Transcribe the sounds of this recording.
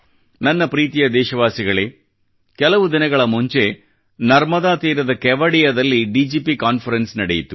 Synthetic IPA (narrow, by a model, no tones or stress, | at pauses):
nɐnːɐpɾiːt̪ijɐd̪ɛːʃɐʋaːsiɡɐɭeː | kɛlɐʋud̪inɐɡɐɭɐmuɲt͡ʃe̞ | nɐɾmɐd̪aːt̪iːɾɐd̪ɐkɛʋɐɽijɐd̪ɐlːiɖiːd͡ʒiːpikaːnfʰɐɾensnɐɽejit̪u